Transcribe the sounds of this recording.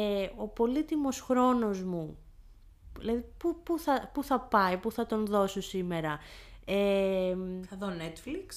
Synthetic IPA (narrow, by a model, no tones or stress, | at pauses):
eo̞po̞lit̪imo̞sxɾo̞no̞zmu | ðḭlɐðipupuθɐpuθɐpɐipuθɐt̪o̞nðo̞sosime̞ɾɐe | θɐðonet̪fliks